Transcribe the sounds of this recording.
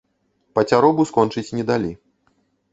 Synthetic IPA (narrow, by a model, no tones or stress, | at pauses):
pɐt͡sʲaɾɔbuskɔnt͡ʂɨt͡sʲnʲɛd̪alʲi